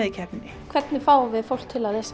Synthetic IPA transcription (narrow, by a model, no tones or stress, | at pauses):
ðicʰɛpnɪ | kʰvɛt̪nɪfaːwvɪðfowl̥kt̪ʰɪlaðɛs